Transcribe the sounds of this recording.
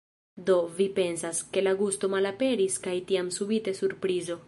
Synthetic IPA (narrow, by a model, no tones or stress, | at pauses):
do̞vipe̞nsaske̞laɡusto̞malape̞ɾiskajtiamsubite̞suɾpɾizo̞